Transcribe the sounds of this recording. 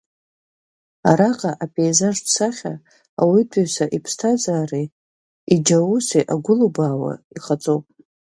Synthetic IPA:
aɾaqʼaʔapʰʼeːzaʐpʰsaχʲa | awitʰʼuɥsaʔipʰstʰad͡zʼaːri | id͡ʒawuseʔaɡʷʊlubaːwa̰iχat͡sʼowpʼ

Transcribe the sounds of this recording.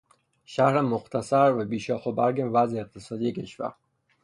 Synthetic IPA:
ʃæhɾemoxt̪ʰæsæɾvæbiːʃɒːxobæɾɡevæzeːq̚t̪ʰesɒːd̪ijecʰe̞ʃvæ̰ɾ

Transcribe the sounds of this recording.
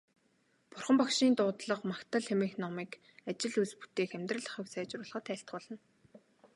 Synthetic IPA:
pʊrχə̆mpakʃiːnt̪ʊːt̪ɮə̆qmakt̪ə̆ɮxemɘ̆ŋxnɔmiːk | at͡ɕɪ̆ɮuspu̥t̪eːxemʲt̪rə̆ɮə̆χə̆wsæːt͡ɕrʊːɮχə̆ːt̪ʰæːɬt̪̚ɢʊːɮə̆n

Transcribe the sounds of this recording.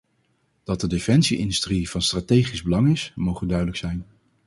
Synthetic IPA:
d̥ɑt̚dədefɛnsiʔɪ̰ndystriv̥ɑnstraːtejχizbəlɑŋɪsmowχəndœɥdələksɛjn

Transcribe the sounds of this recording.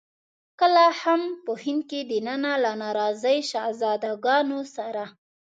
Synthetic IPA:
kəlahampəhɪnd̪̚ked̪ənanalanɑɾɑzəjʃɑzɑd̪aɡɑnosaɾa

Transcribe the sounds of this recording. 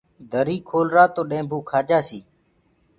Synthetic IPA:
d̪ʱəɾiːkʰoːlɾaːt̪oːɗẽːbʱuːkʰaːd͡ʒaːsiː

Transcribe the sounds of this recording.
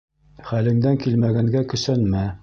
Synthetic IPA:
χælɘ̆ŋd̪æŋkilmæɡæŋɡækɵ̆sænmæ

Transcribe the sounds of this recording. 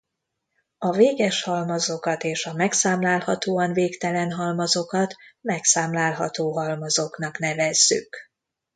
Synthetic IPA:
ɒveːɡɛʃhɒlmɒzo̞kɒt̪eːʃɒmɛksaːmlaːlhɒt̪oːɒnveːkt̪ɛlɛnɦɒlmɒzo̞kɒt̪mɛksaːmlaːlɦɒ̰t̪oːɦɒlmɒzokn̪ɒknɛvɛzːy̰k

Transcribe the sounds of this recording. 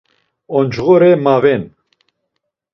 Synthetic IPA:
ɔnd͡ʒɣɔɾɛmavɛn

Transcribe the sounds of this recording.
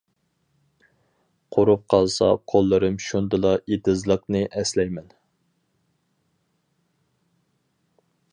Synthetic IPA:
qʰoɾup̚qʰɑlˠsɑ̰qʰolˠːɨɾɨmʃund̪ɨlˠɑed̪ɨzlˠəqnɨʔɛslɛjmɛn

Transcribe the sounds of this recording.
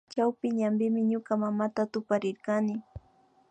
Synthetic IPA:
t͡ʃawpɪɲambɪmɪɲokamamat̪at̪ʊpaɾɪɾkanɪ

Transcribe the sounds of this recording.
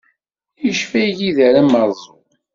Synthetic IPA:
jəʃfæʝiðæɾæməɾˤzˤu

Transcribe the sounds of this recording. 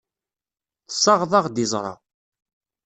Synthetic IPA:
θsˤːɑʁðˤɑʁd̪izˤɾˤɑ̰

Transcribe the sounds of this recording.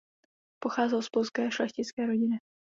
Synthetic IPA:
poxaːzɛlspolskɛːʃlɛxcɪt͡skɛːɾoɟɪnɪ

